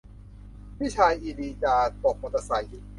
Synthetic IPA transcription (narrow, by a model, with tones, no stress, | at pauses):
wi˥˩t͡ɕʰaː˧jʔiː˧liː˧t͡ɕaː˧t̪o˨˩k̚mo˧˩t̪a˧sa˨˩j